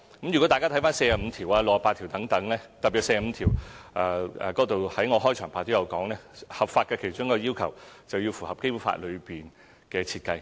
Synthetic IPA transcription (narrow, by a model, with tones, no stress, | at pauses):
kɐ˦˥mjy˨˩kɔ˨˥t̪aː˨jka˥t̪ʰjfaː˥nse˧jaː˨˩m̩˨˧t̪ʰiː˨˩waː˧lo˨k̚ɐ˨˩paː˧t̪ʰi˨˩wt̪ɐ˨˥ŋt̪ɐ˨˥ŋlɛː˥t̪ɐ˨pːi˨˩tse˧jaː˨˩m̩˨˧t̪ʰiː˨˩wʔaː˧ɛ̰ː˨kɔː˨˥t̪o˨whɐ˨˥jŋɔː˨˧ɦɔː˥jt͡ʃʰœː˨˩ŋpʰaː˨˧t̪o˥jɐ˨˧wkɔː˨˥ŋnɛː˥hɐ˨pfaː˧t̚kɛ˧kʰe˨˩jt͡ʃʊ˥ŋkɔː˧jiː˥wkʰɐ˨˩wt͡sɐ˨wjiː˧wfu˨˩hɐ˨˩p̚ke˥jpuː˨˧˥fa̰ː˧t̚lɵ˨˧ɥpiː˨˩n | kɛː˧t͡sʰiː˧t̚kɐ˧j